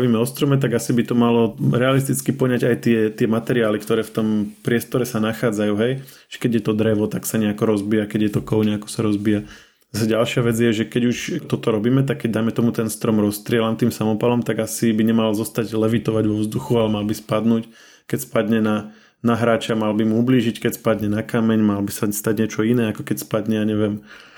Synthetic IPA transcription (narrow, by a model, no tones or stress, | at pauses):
ʋiːmɛɔst̪ɾɔmɛt̪aɡasibit̪ɔmalɔɾɛalist̪it͡skipɔɲaɟajt̪ɪɛt̪ɪɛmat̪ɛɾiaːlikt̪ɔɾɛːft̪ɔmpɾɪɛst̪ɔɾɛsanaxaːd͡zajuːɦɛj | ʒ̥ɛ̥kɛɟjɛt̪ɔd̪ɾɛʋɔt̪aksaɲɛakɔɾɔzbijakɛɟjɛt̪ɔkɔʊɲɛakɔ̥saɾɔzbija | zasɛɟalʃɪaʋɛd͡zjɛʒɛkɛɟuʃt̪ɔt̪ɔɾɔbiːmɛt̪akkːɛɟ̚d̪ajmɛt̪ɔmut̪ɛnst̪ɾɔmɾɔst̪ɾɪɛlamt̪iːmsamɔpalɔmt̪aɡasibiɲɛmalzɔst̪aɟlɛʋit̪ɔʋaɟʋɔʋzd̪uxualɛmalbispad̪nuːc | kɛcspad̪ɲɛna | naɦɾaːt͡ʃamalbimuubliːʒickɛcspad̪ɲɛnakamɛɲmalbisast̪aɟɲɪɛt͡ʃɔinɛːakɔkɛcspad̪ɲɛjaɲɛʋɪɛm